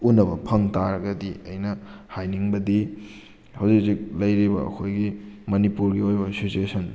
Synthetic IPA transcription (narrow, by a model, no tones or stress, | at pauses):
unːɐbɐpʰɐŋtaɾɐɡɐdiɐjnɐhajniŋbɐdi | hɐwzikzik̚lɐjɾibɐɐ̰kʰojɡimɐnipuɾɡiojbɐsituesʰɐn